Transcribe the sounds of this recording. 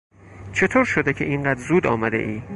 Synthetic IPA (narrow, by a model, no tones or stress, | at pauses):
t͡ʃʰe̞t̪ʰoːɾʃod̪ecʰeʔiɴɢæːd̪zuːd̪ɒːmæd̪ḛʔiː